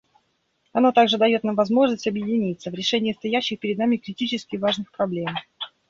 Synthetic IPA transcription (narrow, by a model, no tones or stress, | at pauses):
ɐno̞t̪aɡʐɨd̪ɐjo̞t̪namvɐzmo̞ʐnəsʲtʲɐbjɪdʲɪnʲit̪səvɾʲɪʂɛnʲɪjəst̪ɐjæɕːɪxpʲɪɾʲɪd̪namʲɪkɾʲɪtʲit͡ɕɪskʲɪvaʐnɨxpɾɐblʲem